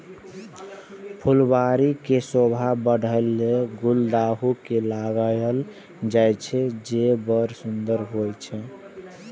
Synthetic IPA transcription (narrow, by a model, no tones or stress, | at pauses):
pʰulbaɾikesobʱabəɽ̤ʱəlːeɡuld̪aɦukelaɡəl | d͡ʒajt͡ʃʰɛd͡ʒebəɾsund̪əɾɦojt͡ʃʰɛ